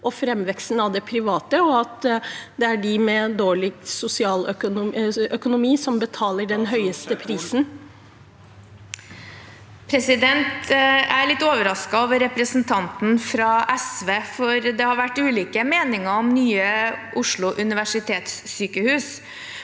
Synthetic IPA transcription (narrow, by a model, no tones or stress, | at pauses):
ʔɔfɾɛmːʋɛkst̪n̩ɑʋd̪ɛpʰɾɪʋɑːt̪əɔɑt̪d̪ɛæɖɪmɛd̪oːɭɪɡ̚sʊsɪɑːlœkʊœkʊnʊmiːsɔmbət̪ʰɑːləɖɛnɦœʏəst̪əpʰɾiːsn | pʰɾɛsɪd̪ɛnt̪æɭɪt̪ːoːʋəɾɑskɑoːʋəɾɛpɾəsnt̪ʰɑnt̪n̩fɾɑʔɛsʋeːfɔɾd̪ɛhɑɾʋæʈːʉːliːkəmeːnɪŋəɔmnyːəʔʊʂlʊʔʉnɪʋæʂɪt̪ʰeːt̪sːyːkəhʉːs